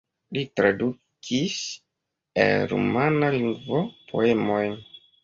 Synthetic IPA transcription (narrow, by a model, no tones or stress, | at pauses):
litɾadu | kʰis | ḛnɾṵmanaliŋɡvopʰo̰emo̞jn